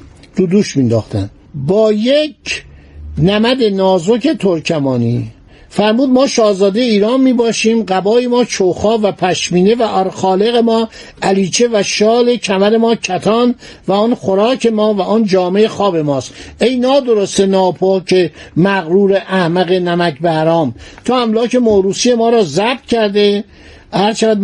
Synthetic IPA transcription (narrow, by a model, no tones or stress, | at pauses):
t̪ud̪uːʃmind̪ɒ̰ːxt̪æ̰n | bɒːjec | næmæd̪e̞nɒːzoke̞t̪ʰoɾcʰæmɒːniː | fæɾmuːd̪̚mɒːʃɒːzɒːd̪ejeiːɾɒːnmiːbɒːʃiːmɢæbɒːjemɒːt͡ʃʰowxɒːvæpʰæʃmiːne̞væʔɒɾxɒːle̞ɣemɒː | ʔæliːt͡ʃʰe̞væʃɒːle̞cʰæmæɾe̞mɒːcʰæt̪ʰɒːn | væɔnxoɾɒːkʰe̞mɒːvæɔnd͡ʒɒːmeexɒːbe̞mɒːst̪ʔejnɒːd̪oɾost̪enɒːpʰoːcʰemæɣɾuːɾeʔæhmæɣe̞næmækbehæɾɒːmt̪ʰoæmlɒːke̞moɾuːsije̞mɒːɾɒːzæb̥t̪cæɾd̪e̞ | hæɾt͡ʃʰevæd̪